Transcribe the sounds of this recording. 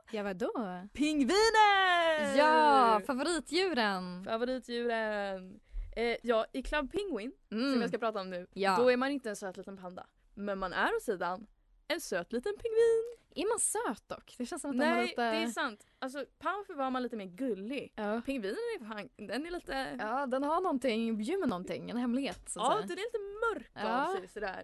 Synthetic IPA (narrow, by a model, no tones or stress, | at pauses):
jɑvad̪opʰɪŋːviːnəjɑːfavʊɾiːt̪ʰjʉ̟ːɾənfavʊɾiːt̪ʰjʉ̟ːɾən | jɑːɪkʰlab̚pʰɪŋwɪn | sɔmjɑːskapɾɑːt̪aɔmnʉ̟ːjd̪ɔæɾmanɪnt̪əɛnsøːt̪liːt̪ənpʰɛnd̪a̰ | mɛnmanʔæ̰ɾɔt̪siːd̪an | ɛnsøːt̪liːt̪ənpʰɪŋviːn | ɛɾmansøːt̪̚d̪ɔkːd̪̥ɛʃɛnsɔmat̪nɛɛd̪ɛɛsant̪ | als̬ɔpʰamfəvaɾmanliːt̪əmeːɾɡɵlːɪpʰɪŋːviːnənnɛɾfaŋd̪ɛnɛɾɭiːt̪əɑːd̪ɛnhaɳɔnt̪ɪŋbjʉːmːənɔnʰɪ̰ŋːɛnhɛmlɪɡheːt̪sɑːɛd̪ɛɾliːt̪əmœɾkːasɛsɔd̪æ̰ːɾ